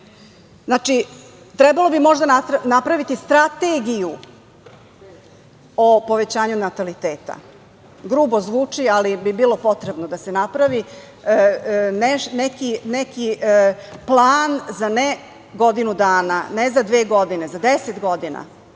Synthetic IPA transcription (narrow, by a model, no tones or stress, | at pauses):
znaːt͡ʂi | t̪ɾɛbalˠo̞bimo̞ʒd̪anaɾnapɾaʋit̪ist̪ɾat̪eɡiju | opo̞ʋet͡ɕaːɲunat̪alit̪eːt̪a̰ | ɡɾuːbozʋuːt͡ʂialibibiːlˠo̞po̞t̪ɾebnod̪asenapɾaʋi | neʃnekineki | plˠaːnzane | ɡo̞d̪inud̪aːnanezad̪ʋeːɡo̞d̪ine̞zad̪eset̪ɡo̞d̪ina̰